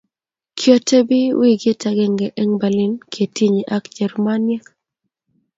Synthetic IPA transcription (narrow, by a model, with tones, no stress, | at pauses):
kʰjɔ˦tʰe˦bɪ˦wi˦ɡe˦ta˨ɡɛ˦ŋɡɛ˨ʔɛ˦ŋba˨lɪ˦nkʰe˨ti˦˨ɲi˨ʔa˦kd͡ʒɛ˨ɾma˦njɛ˦k